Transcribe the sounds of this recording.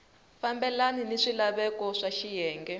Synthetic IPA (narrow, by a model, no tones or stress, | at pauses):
fambɛlaniniʂilaβɛkɔʂaʃijɛːŋɡɛ